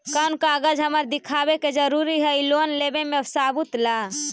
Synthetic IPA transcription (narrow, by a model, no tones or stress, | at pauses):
kənkaəɡəd͡ʒɦəməɾd̪ɪkʰaːbeked͡ʒəɾuːɾiɦɛilonleːbemẽsaːbut̪la